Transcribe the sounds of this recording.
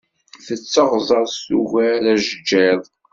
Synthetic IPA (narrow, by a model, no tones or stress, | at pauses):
θət͡sːəʁzˤɑɾˤsuʝælæʒəd͡ʒːæðˤ